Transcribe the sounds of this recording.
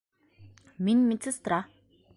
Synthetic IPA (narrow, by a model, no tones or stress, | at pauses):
minʲmit͡sʰɘ̆st̪ra